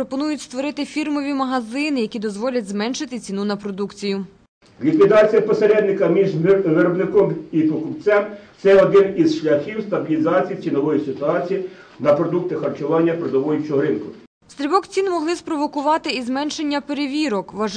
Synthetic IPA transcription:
ɾɔpɔnujʊtʲst̪ʋɔɾɪt̪ɪfʲirmɔʋʲimɐɦɐzɪnɪjɐkʲid̪ɔzʋɔlʲɐdʲzmɛnʃɪt̪ɪt͡sʲinunɐpɾɔd̪ukt͡sʲijʊ | lʲikʋʲid̪ɑt͡sʲijɐpɔseɾɛd̪nɪkɐmʲiʒneɾɔbnɪkɔmipɔkʊp̪sɛmt̪sɛɔd̪ɪnizʃlʲɐxʲiwst̪ɐbʲilʲizɑt͡sʲijit͡sʲinɔʋɔjisɪt̪ʊɑt͡sʲiji | d̪ɐpɾɔd̪uk̚t̪ɪxɐrt͡ʃʊʋɑnʲːɐpɾɔd̪ɔʋɔjit͡ʃɔɦɔɾɪnkʊ | st̪ɾʲibɔkt͡sʲinmɔɦlˠɪspɾɔʋɔkʊʋɑt̪ɪizmɛnʃe̞nʲːɐpeɾeʋʲiɾɔkʋɐ

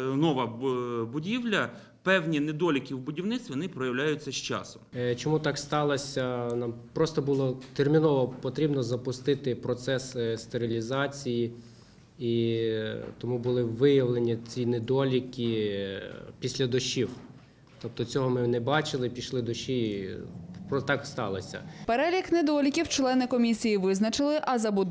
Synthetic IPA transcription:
nɔʋɐbʊdʲiwlʲɐ | pɛwnʲined̪ɔlʲikʲiwbʊdʲiwnɪt͡sʲsʲt̪ʋʲjɔnɪpɾɔjɐʋlʲajʊt͡sʲːɐʃt͡ʃɑ̰sɔ̥mt͡ʃɔmut̪ɑkst̪ɑlˠɐsʲɐnɑmpɾɔst̪ɔbulˠɔt̪ermʲinɔʋɔpɔt̪ɾʲibnɔzɐpʊst̪ɪt̪ɪpɾɔt̪sɛsst̪eɾʲilʲizɑt͡sʲiji | i | t̪ɔmubʊlˠɪʋɪjɐʋlˠenʲit͡sʲined̪ɔlʲikʲi | pʲisʲlʲɐd̪ɔʃʲiw | t̪ɔp̚t̪ɔt͡sʲɔɦɔmɪnɛbɑt͡ʃɪlˠɪpʲiʃlˠɪd̪ɔʃi | pɔt̪ɑkst̪ɑlˠɔsʲɐ̰peɾɛlʲikned̪ɔlʲikʲiwt͡ʃlˠɛnɪkɔmʲisʲijiʋɪznɐt͡ʃɪlˠɪʔɐzɐbʊd̪

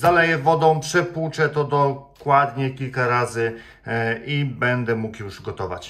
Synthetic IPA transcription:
zalɛjɛvɔd̪ɔ̃w̃pʂɛput͡ʂɛt̪ɔd̪ɔkwad̪ɲɛkʲilkaɾazɘ | ibɛnd̪ɛmukjuʐɡɔt̪ɔva̰t͡ɕ

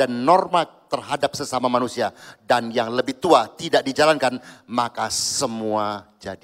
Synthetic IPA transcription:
anːɔrmat̪ərɦadap̚səsamamanusiadanjaŋləbɪht̪uat̪idak̚did͡ʒalankanmakasəmuad͡ʒadi

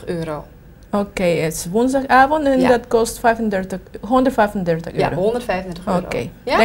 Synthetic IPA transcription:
øːɾo | okeːətɪ̥sʋonzdɑxaːvəntɛndɔtkɔstfɛjfəndɛrtəxɦɔndərtfɛjfəndɛrtəxʔy̰ːo̰hɔndətfɛjfndɪtəokḛː

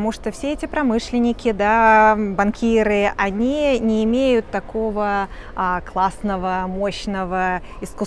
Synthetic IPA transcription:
muʂt̪ofsʲeɛtʲɪpɾɐmɨʂlʲɪnʲɪkʲɪd̪abɐnkʲiɾɨɐnʲinʲɪːmʲejʊt̪ːɐkovə | aklˠasnəvəmo̞ɕnəvəɪsku

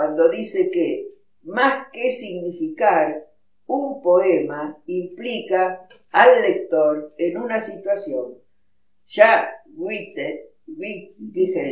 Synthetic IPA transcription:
wand̪o̞ðiseke | maskesiɣnifikaɾ | umpo̞emaimplikaː | lːek̚t̪oɾenunasit̪wasjon | ʃait̪e | iɡixe

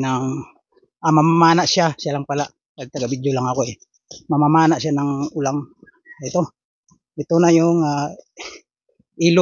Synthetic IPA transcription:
naŋ | amamamaːnaʔsjasjalaŋpalaʔ | kaɡ̚t̪aɡabid̪jolaŋɐkoe | mamamaːnaʔsjanaŋʊlaŋ | ɛt̪o | ɪt̪onajoŋa | ʔɪlo

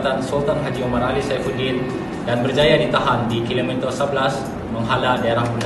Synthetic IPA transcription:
t̪ansult̪anɦad͡ʒiomaralisajfudin | danbərd͡ʒajadit̪aɦandikilomit̪ɔrsəblas | məŋɦaladaeɾahbu

